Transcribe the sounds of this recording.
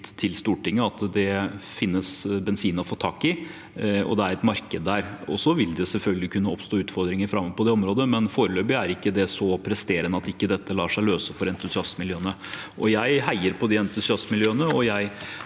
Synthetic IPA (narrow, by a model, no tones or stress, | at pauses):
t̪ʰɪlst̪uːʈɪŋːəɑt̪d̪ɛfɪnːəsbɛnsiːnɔfoːt̪ʰɑːkɪ | ɔ̰d̪ɛæɾɛt̪mɑɾkəd̪ːæːɾɔ̰sɔʋɪld̪ɛsɛlfœlɡəlɪkʰʉnːəɔpst̪oːʉːt̪fɔɾd̪ɾɪŋəɾfɾɑmːɔʋpʰɔd̪ɛɔmɾoːd̪əmɛnfoːɾəløːbɪæɾɪkːəd̪ɛsɔpʰɾɛst̪eːɾənəɑt̪ɪkːəd̪ɛt̪ːəlɑːʂæɪløːsəfɔɾɛnt̪ʉsɪɑsmɪljøːənəʔɔjæɪɦæɪəɾpʰɔd̪iɛnt̪ʉsɪɑsmɪljøːənəɔjæɪ